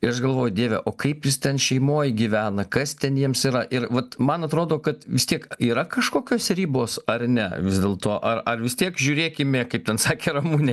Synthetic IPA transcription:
ɪɾɐʃɡɐlˠʋoːjʊd̪ʲeːʋʲɛʔoːkɐɪpjɪst̪ʲɛnʃʲɛɪmoːjɡʲiʋʲæːnɐkɐst̪ʲɛnjiɛmsiːɾɐʔɪɾʋɐt̪mɐnɐt̪ɾoːd̪oːkɐt̪ʋʲɪst̪ʲiɛkiːɾɐkɐʃkoːkʲoːsɾʲiːboːsɐrnʲɛʋʲɪzd̪ʲeːlˠt̪oːʔɐrɐrʋʲɪst̪ʲiɛkʒʲʊːɾʲeːkʲɪmʲekɐɪp̚t̪ʲɛnsɑːkʲeːɾɐmuːnʲe

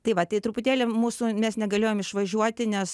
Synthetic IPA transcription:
t̪ɐɪʋɐt̪ɐɪt̪ɾʊpʊt̪ʲeːlʲemuːsumʲɛsnʲɛɡɐlʲeːjoːmɪʃʋɐʒʲuɔt̪ʲɪnʲɛs

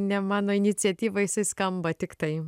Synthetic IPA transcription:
nʲɛmɑːnoːɪnʲɪt͡sʲɛt̪ʲiːʋɐjɪsɐɪskɐmbɐt̪ʲɪkt̪ɐɪ

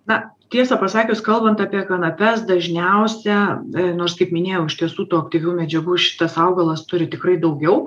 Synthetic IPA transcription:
nɐt̪ʲiɛsɑpɐsɑːkʲʊskɐlˠbɐnt̪ɑːpʲiɛkɐnɐpʲɛsd̪ɐʒʲnʲɛʊsʲɛnoːrskɐɪpmʲɪnʲeːjɛʊɪʃʲt̪ʲiɛsuːt̪uːɐk̚t̪ʲiːʋʲuːmʲɛd͡ʒʲɛɡuːʃʲɪ̥t̪ɐsɐʊɡɐlˠɐst̪ʊɾʲɪt̪ʲɪkrɐɪd̪ɐʊɡʲɛʊ

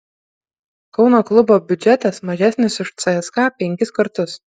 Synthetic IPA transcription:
kɒʊnoːklˠʊboːbʲʊd͡ʒʲɛt̪ɐsmɐʒʲæːsʲnʲɪsʊʃt̪sɐɛskɑːpʲɛŋʲkʲɪskɐɾt̪ʊs

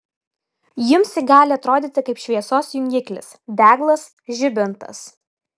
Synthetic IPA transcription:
jɪmsʲɪɡɑːlʲɪɐt̪ɾoːd̪ʲɪːt̪ʲɪkɐɪpʃʲʋʲiɛsoːsjʊŋʲɡʲɪklʲɪ̰sd̪ʲæːɡlˠɐs | ʒʲɪbʲɪnt̪ɐ̰s

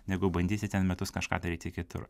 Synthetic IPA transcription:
nʲɛɡʊbɐnʲd̪ʲiːsʲɪt̪ʲɛnmʲɛt̪ʊskɐʃkɑ̰ːd̪ɐɾʲiːt̪ʲɪkʲɪt̪ʊ̰ɾ

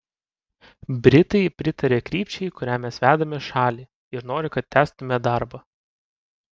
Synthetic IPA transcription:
bʲɾʲɪt̪ɐɪpʲɾʲɪt̪ɐɾʲeːkɾʲiːpʲt͡ʃʲɛɪkʊɾʲæːmʲɛsʋʲæːd̪ɐmʲɛʃɑːlʲiː | ɪɾnoːɾʲɪkɐt̪̚ʲt̪ʲːæːst̪ʊmʲɛd̪ɑɾbɐ

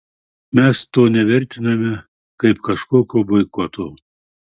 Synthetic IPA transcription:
mʲɛst̪oːnʲɛʋʲɛɾʲt̪ʲɪnɐmʲɛ | kɐɪpkɐʃkoːkʲoːbɐɪkɔt̪oː

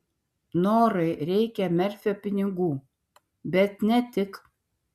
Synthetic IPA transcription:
noːɾɐɪɾʲɛɪkʲɛmʲɛɾʲfʲoːpʲɪnʲɪɡuː | bʲɛt̪nʲɛt̪ʲɪk

